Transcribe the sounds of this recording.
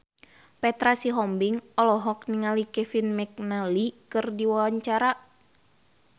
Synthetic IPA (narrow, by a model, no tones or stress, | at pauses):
pɛt̪ɾasiɦɔmbiŋɔlɔɦɔk̚niŋalikɛfinmɛk̚nalikɨrdiwawaɲt͡ʃaɾa